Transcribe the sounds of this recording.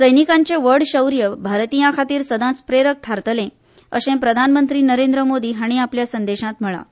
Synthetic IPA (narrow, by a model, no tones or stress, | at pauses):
t͡səjnikaɲt͡seʋəɾɽɕəwɾjəbʱaɾt̪ijãkʰat̪iːɾsəd̪ʱãt͡spɾeɾək̚t̪ʰaɾt̪əlẽ | ə̰sẽpɾəd̪ʱanmənt̪ɾiːnəɾẽnd̪ɾəmod̪iːɦaɽ̃iapljasənd̪eɕãt̪m̤əɭa̰